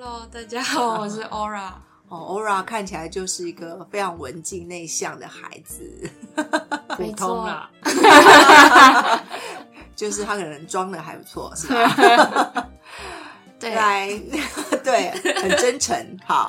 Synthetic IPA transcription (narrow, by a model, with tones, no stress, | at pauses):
t̪a˥˩t͡ɕa˥˨˩ʂ̩˥˩ʔo˥˦ɹa˥˩ | ɔ˥˨˩ʔo˥ʊɹa˥˩kʰa˥˩nt͡ɕʰi˨la˨˧ɪt͡ɕjo˥˧ʊʂɻ̩˥˩i˧˥ɡə˨fe˥ɪʈ͡ʂʰɑ˧˥ŋwə˧˦nt͡ɕi˥˧ŋne˥˧ɪɕjɑ˥˨˩ŋd̪ə̰˩xa̰˧˥ɪd͡z̩˨˩ | xu˨˩t̪ʰo˦˥ŋlə˨ | t͡ɕjo˥˧ʊʂɻ̩˥t̪ʰa˦kʰə˨˩nə˧˦ŋʈ͡ʂwɑ˥ŋd̪ə˨xa˧˥ɪpu˧˦t͡sʰwɔ̰˥˩ʂ̩˥˩˥ | la˥˧˩ɪ | t̪we˥˩ɪxə˨˩nnʈ͡ʂə˦˥nʈ͡ʂʰə˧˦nxɑ̰˨˦